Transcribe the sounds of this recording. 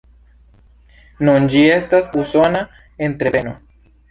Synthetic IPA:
nund͡ʒiest̪asusona | ent̪ɾeeno̰

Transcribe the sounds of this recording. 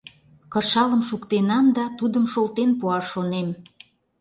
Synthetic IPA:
kɤrʃɑləmʃukt̪enɑmd̪ɑt̪ud̪əmʃolt̪enpuɑʃːonem

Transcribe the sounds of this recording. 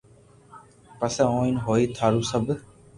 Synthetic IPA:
pəsɛːõːinɦoːiːt̪ʰaːɾuːsəb

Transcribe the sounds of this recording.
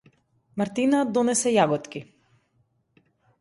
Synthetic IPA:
maɾt̪inad̪ɔnɛsɛjaɡɔt̪ki

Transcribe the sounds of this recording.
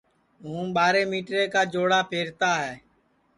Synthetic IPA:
ɦũːɓaːɾeːmiːʈɾeːkaːd͡ʒoːɽaːpʰeːɾt̪aːɦɛː

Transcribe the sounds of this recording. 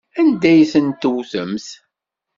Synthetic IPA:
ænd̪æjsənt̪uwθəmθ

